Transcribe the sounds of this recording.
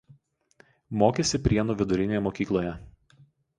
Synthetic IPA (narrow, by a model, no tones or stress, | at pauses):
moːkʲesʲɪpʲɾʲiɛnuːʋʲɪd̪ʊɾʲɪnʲeːjɛmokʲiːklˠoːjɛ